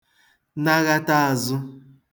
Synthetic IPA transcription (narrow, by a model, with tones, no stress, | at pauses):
na˦ɣa˦ta˦a˨zʊ˦